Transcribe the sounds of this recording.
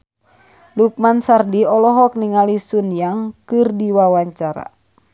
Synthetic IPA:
luk̚mansardiɔlɔɦɔk̚niŋalisunjaŋkɨrdiwawaɲt͡ʃaɾa̰

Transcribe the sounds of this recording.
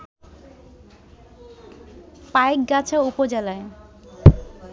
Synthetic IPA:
paek̚ɡat͡ɕʰaupod͡ʑelae

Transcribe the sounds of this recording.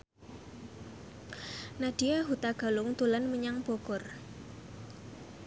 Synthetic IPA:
naɖ̥iaɦut̪aɡ̥a̤lʊŋt̪ulanməɲaŋb̥okɔr

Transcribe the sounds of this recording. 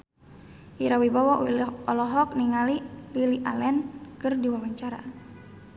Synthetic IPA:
ʔiɾawibawɔʔɔlɔɦɔk̚niŋalililiʔa̰lɛnkɨrdiwawaɲt͡ʃaɾa̰

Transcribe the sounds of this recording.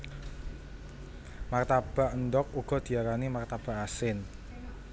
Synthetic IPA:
mart̪ab̥a̤ʔənd̪ɔk̚uɡ̥ɔ̤d̪̥i̤aɾanimart̪ab̥a̤ʔasɪn

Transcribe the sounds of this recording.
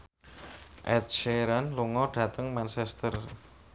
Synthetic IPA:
ʔɛt̪̚ʃeɾanluŋɔɖ̥ä̤t̪əŋmant͡ʃɛst̪ər

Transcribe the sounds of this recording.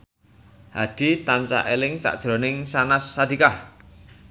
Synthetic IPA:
had̪̥i̤t̪ant͡ʃa̰ʔelɪŋsa̰ʔd̥ʒ̥ɾɔ̤nɪŋsanasːad̪̥i̤kah

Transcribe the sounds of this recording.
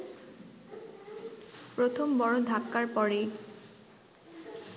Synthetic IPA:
pɾot̪ʰombɔɹod̪ʱakːaɹpɔɹe

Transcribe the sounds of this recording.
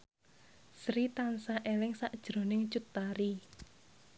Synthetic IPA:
sɾit̪ansaʔelɪŋsaʔd̥ʒ̥ɾo̤nɪŋt͡ʃut̪ːaɾi

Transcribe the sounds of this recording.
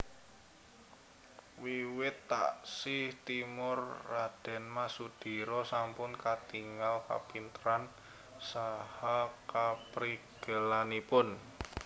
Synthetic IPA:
wiwɪt̪ːa̰ʔsihht̪imʊrːad̥ɛ̤nmasud̪̥i̤ɾɔsampʊnkat̪iŋalka̰pint̪əɾan | sahakapɾiɡ̥əlanipʊn

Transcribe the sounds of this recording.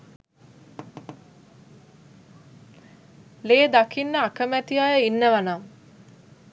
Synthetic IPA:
leːd̪akinːəakəmæt̪ijajəinːəʋana

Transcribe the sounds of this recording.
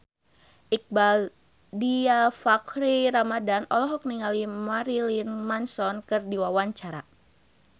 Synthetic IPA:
ʔik̚bal | diafakɾiɾamadanɔlɔɦɔk̚niŋalimaɾilinmansɔnkɨrdiwawaɲt͡ʃaɾa

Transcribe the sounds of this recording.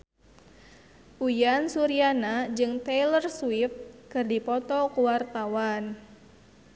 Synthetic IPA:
ʔujansuɾianad͡ʒɨŋt̪ɛlərswif̚kɨrdipɔt̪ɔkuwart̪awan

